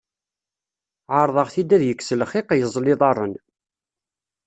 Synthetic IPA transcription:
ʕɑɾˤðˤɑʁθid̪ːæðjəkːsəlχɪqjəzˤlɪðˤɑɾˤən

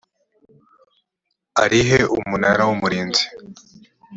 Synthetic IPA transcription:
aɾiɦeʔumunaɾawumuɾiːnzi̥

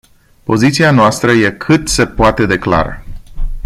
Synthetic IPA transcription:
po̞zit̪sianoast̪ɾəje̞kʰɨt̪se̞poat̪e̞d̪e̞kla̰ɾə̰

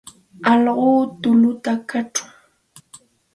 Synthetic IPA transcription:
ɑlɢoːt̪ʊlʊt̪akaʈ͡ʂʊ̥

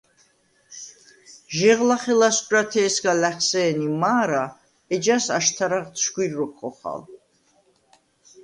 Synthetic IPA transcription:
ʒɛʁlaχɛlast͡ʃʼat̪ʰɛːsɡalɛχsɛːnimaːɾa | ɛd͡ʒasaʃt̪ʰaɾaʁʃʰɡwiɾːɔkʰχɔχa̰l

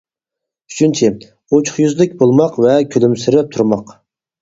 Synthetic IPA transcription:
y̥t͡ʃʰynt͡ʃʰɪ | ot͡ʃʰʊ̥χjyzlɪkʲbolˠmɑqvɛkʲʰølymsɪɾɪp̚t̪ʰuɾmɑq

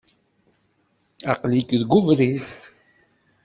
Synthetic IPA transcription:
aqlikðɡuvɾiθ

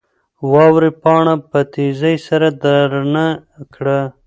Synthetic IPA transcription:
wɑwɾipɑɳapət̪izajsaɾad̪aɾnakɽa

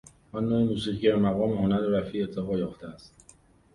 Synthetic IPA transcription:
ɒnːoːemuːsiːɣiæɾmæɣɒːmehonæɾɾæfiːet̪ʰːeɣɒːjɒːft̪ʰeæst̪

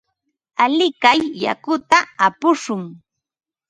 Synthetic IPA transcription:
alɪkajːa̰kʊt̪aapʊʃʊŋ

